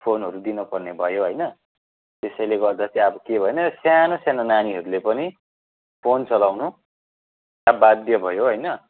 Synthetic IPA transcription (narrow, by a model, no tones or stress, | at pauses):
pʰonɦʌɾud̪inupʌrnebʱʌjoɦʌjnʌ | t̪esʌjleɡʌrd̪at͡sʰĩʌbʌkebʱʌjenʌsjanosjanonaniɦʌɾulepʌni | pʰont͡sʌlawnu | jabad̪jʌbʱʌjoɦʌjnʌ